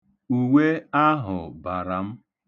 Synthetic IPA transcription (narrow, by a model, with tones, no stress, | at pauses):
u˨we˦a˦ɦʊ̰˨ba˨ɾa˨m̩˦